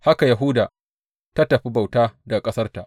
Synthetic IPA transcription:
ha˦ka˨ja˨ɦʊː˦daː˨ | ta˦tɐ˨ɸi˦ba˨wtaː˦da˨kʼɐ˦sɐ˦rta˨ʔ

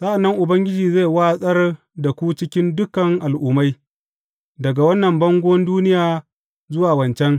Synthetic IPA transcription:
saː˦ʔa˨nːɐ˦ŋʔʊ˨bɐ˦ŋɡʲɪ˦d͡ʒiː˨ze˦˨waː˦sʼɐ˦r | dɐ˨kʷuː˦t͡ʃɪ˦kʲɪ˦ndʊ˦kɐ˨ŋʔa˨lʔuː˦ma˦j | dɐ˨ɡa˨wɐ˦nːɐ˨mbɐ˦ŋɡʷʊ˦ɐ˦nduː˦nɪ˦jaː˨ | zʊ˦waː˨wɐ˨nt͡ʃɛ˦ŋ

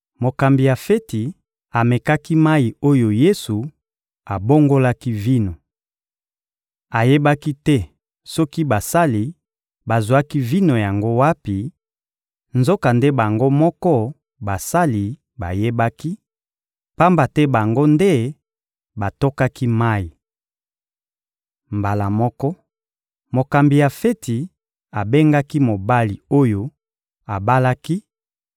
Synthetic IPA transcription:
mo˨ka˨mbi˨ja˨fe˦ti˨ | a˨me˨ka˦ki˦ma˦i˨o˦jo˨je˦su˨ | a˨bo˦ŋɡo˦la˦ki˦vi˦no˨ | a˨je˦ba˦ki˦tɛ˦ | sɔ˦ki˦ba˨sa˦li˨ | ba˨zwa˦ki˦vi˦no˨ja˨ŋɡo˦wa˦pi˨ | nzo˦ka˨nde˦ba˨ŋɡo˦mɔ˦kɔ˦ | ba˨sa˦li˨ | ba˨je˦ba˦ki˦ | pa˦mba˨tɛ˦ba˨ŋɡo˦nde˦ | ba˨to˦ka˦ki˦ma˦i˨ | mba˨la˨mɔ˦kɔ˦ | mo˨ka˨mbi˨ja˨fe˦ti˨ | a˨be˦ŋɡa˦ki˦mo˨ba˦li˨o˦jo˨ | a˨ba˦la˦ki˦

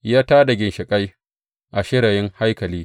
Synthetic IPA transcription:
jaː˦taː˦da˨ɡʲɪ˨nʃɪ˨kʼa˦j | ʔa˨ʃɪ˦ɽa˨jɪ˦ŋha˦jkɐ˨liː˦

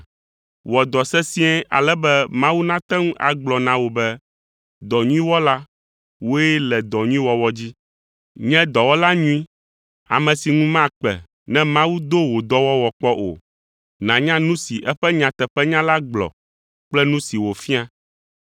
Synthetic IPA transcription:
wɔ˨d̪ɔ˨sɛ˦si˦ɛ̃˦ʔa̰˨lɛ˦bɛ˦mã˦wu˦nã˦t̪ɛ˦ŋu˦a̰˨ɡ͡blɔ˨nã˨wo˨bɛ˦ | d̪ɔ˨ɲũ˦ĩ˦wɔ˦la˦ | wo˦jɛ˦lɛ˨d̪ɔ˨ɲũ˦ĩ˦wɔ˦wɔ˦d͡ʑi˦ | ɲɛ̃˦d̪ɔ˨wɔ˦la˦ɲũ˦ĩ˦ | a̰˨mɛ̃˨si˨ŋũ˦mã˦k͡pɛ̰˨ | nɛ̃˦mã˦wu˦d̪o˦wo˨d̪ɔ˦wɔ˦wɔ˨k͡pɔ˦ʔo̰˨ | nã˨ɲã˦nũ˦si˨ʔɛ˦ɸɛ˦ɲã˨t̪ɛ˨ɸɛ˦ɲã˦la˦ɡ͡blɔ̰˨ | k͡plɛ˦nũ˦si˨wo˨fi˦a˦

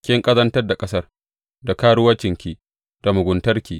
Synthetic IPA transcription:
kʲɪ˦ŋkʼɐ˦zɐ˦ntɐ˦rda˨kʼɐ˦sɐ˦r | da˨kaː˦ɽʊ˦wɐ˦t͡ʃɪ˨ŋkʲiː˨ | d̥a˨mʊ˨ɡʷʊ˨ntɐ˦rkʲiː˨

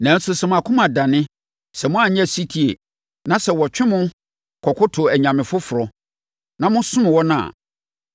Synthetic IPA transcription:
nã˨˦n̩˦sʊ˦sɛ˨mʊ̃˨a˨kʰʊ̃˦mã˨da˨nɪ̃˦ | sɛ˨mʊ̃˦a˨ɲɛ̃˦˨si˦tʰi˨e˨ | nã˦sɛ˨wɔ˨t͡ɕᶣɪ̃˦mʊ̃˦ | kʰɔ˨kʰʊ˦tʰʊ˨æ˨ɲã˨mɪ̃˨fʊ˦fʊ˨ɾɔ˨ | nã˨mʊ̃˦sʊ̃˦m̃˨wɔ˦nʊ̃˦˨a̰˨

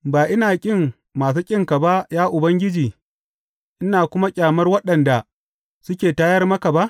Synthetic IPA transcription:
baː˨ʔɪ˦naː˨kʲʼɪ˦ŋ | maː˨s̬uː˦kʲʼɪ˦ŋka˨ba˦jaː˦ʔʊ˨bɐ˦ŋɡʲɪ˦d͡ʒiː˨ | ʔɪ˦naː˨kʷʊ˦ma˦kʲʼaː˨mɐ˦rwɐ˦ɗɐ˨nda˨ | sʊ˦kʲeː˨taː˦jɐ˦rmɐ˦ka˨ba˦ʔ

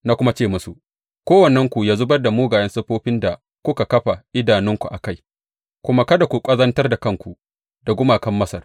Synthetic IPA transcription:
na˦kʷʊ˦ma˦t͡ʃeː˦˨mʊ˦su˨ | kʷoː˦wɐ˨nːɛ˦ŋkʷu˨jaː˦zʊ˦bɐ˦rda˨muː˦ɡaː˨jɐ˦nsɐ˦ɸoː˦ɸɪ˦nda˨ | kʷʊ˦ka˨kɐ˦ɸa˨ʔɪ˦daː˨nɪ˦ŋkʷu˨ʔa˨ka˦˨j | kʷʊ˦ma˦kɐ˦da˨kʷu˨kʷʼɐ˦zɐ˦ntɐ˦rda˨kɐ˦ŋkʷu˨ | da˨ɡʷʊ˦maː˨kɐ˦mːɐ˦sɐ˨r

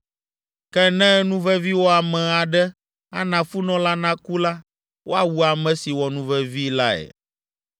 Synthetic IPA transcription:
kɛ˦nɛ̃˦nũ˦vɛ˦vi˦wo˦a˨mɛ̃˨a˨ɖɛ˦ | a̰˦nã˨fu˦nɔ̃˦la˦nã˦ku˦la˦ | wo˦a˨wu˦a˨mɛ̃˨si˨wɔ˨nũ˦vɛ˦vi˦la˦ɛ̰˨

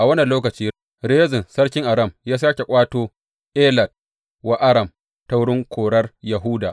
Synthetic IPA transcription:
ʔa˨wɐ˦nɐ˨loː˦kɐ˨t͡ʃiː˦ | ɾe˦zɪ˨nsɐ˦rkʲɪ˦ŋʔa˨ɽɐ˦˨mjaː˦s̬aː˦kʲe˨kʷʼaː˦toː˦ | ʔeː˦lɐ˨d̚ | wa˦ʔa˦ɽɐ˨m | ta˦wʊ˦ɽɪ˦ŋkʷʰoː˨ɽɐ˦rjɐ˨ɦʊ˦daː˨ʔ

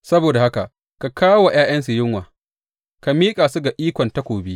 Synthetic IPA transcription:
sɐ˦boː˨da˨ha˦ka˨ | ka˨kʰaː˦wa˨j̰aː˦jɐ˦nsu˨jɪ˦ŋwaː˨ | ka˨miː˦kʼaː˨su˦ɡa˨ʔiː˦kʷɔ˨nta˦kʷoː˨bi˦

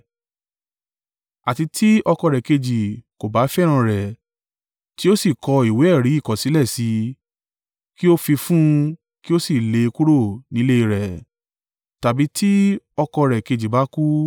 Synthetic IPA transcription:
a˨ti˧ti˦ɔ˧kɔ˧ɾɛ˨ke˧d͡ʒi˨ko˨ba˨˦fɛ˦˨ɾ̃ã˧˦ɾɛ˨ | ti˦o˦si˦˨kɔ˧i˨we˨˦ɛ˦˨ɾi˨˦i˦˨kɔ˨si˨˦lɛ˦˨si˧ | ki˦o˦fi˧fũ˦ | ki˦o˦si˦˨le˨˧ku˦ɾo˦˨nĩ˨˦le˦i˧ɾɛ˨ | ta˨bi˨˦tʰi˦ | ɔ˧kɔ˧ɾɛ˨ke˧d͡ʒi˨ba˨˦ku˦

